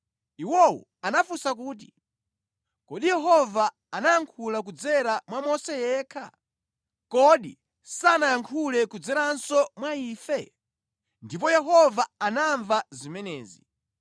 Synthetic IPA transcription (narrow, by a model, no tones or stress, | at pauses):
iwɔṵ | anafusakuːt̬i | kɔɗijɛɦɔvaː | najaŋkʰulak̬ud͡zɛɾamwamɔsɛjɛːkʰa̰ | kɔɗḭ | sanajaŋkʰulɛkud͡zɛɾansɔmwaiːfɛ | ndip̬ɔjɛɦɔvaanaɱvazimɛnɛːzḭ